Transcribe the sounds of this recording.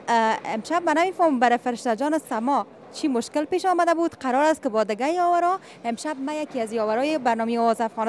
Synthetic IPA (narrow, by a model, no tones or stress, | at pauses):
ɪ̰mʃab̚manamefɔməmbaɾɪfɪɾɪʃt̪ad͡ʒɔnɪsamɔ | t͡ʃʰimʊʃkɪlpeʃɔmad̪abud̪qaɾɔɾast̪̚kɪbɔd̪ɪɡajɔwaɾɔ | ɪmʃab̚majakiazjɔwaɾɔjɪbaɾnɔmeɔwɔzafɣɔn